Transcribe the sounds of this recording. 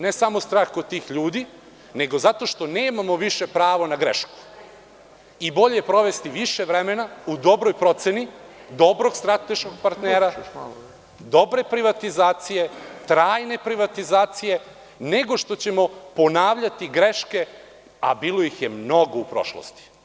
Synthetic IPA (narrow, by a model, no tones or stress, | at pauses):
nesamo̞st̪ɾaːxkot̪iːxʎuːd̪i | ne̞ɡo̞zat̪o̞ʃt̪o̞ne̞ːmamo̞ʋiʃe̞pɾaːʋonaɡɾeʃku̥ | ibo̞ʎejepɾo̞ʋest̪iʋiʃeʋɾeme̞naud̪o̞bɾojpɾo̞t̪senid̪o̞bɾo̞ɡst̪ɾat̪e̞ʃko̞ɡ̚paɾt̪neːɾa | d̪o̞bɾe̞pɾiʋat̪izaːt̪sije̞t̪ɾaːjne̞pɾiʋat̪izaːt̪sije̞ | ne̞ɡo̞ʃt̪o̞t͡ɕe̞mo̞po̞naːʋʎat̪iɡɾe̞ʃke̞ | a̰biːlo̞jixje̞mno̞ɡo̞upɾo̞̰ʃlo̰st̪i̥